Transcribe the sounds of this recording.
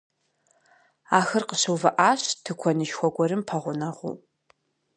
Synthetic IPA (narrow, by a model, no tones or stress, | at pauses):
aːxɨrqəɕɨwvɐʔaːɕtʰɨkʷʰɔnɨʃxʷɔɡʷɔɾɨmpʰɐʁʷʊnɐʁṵ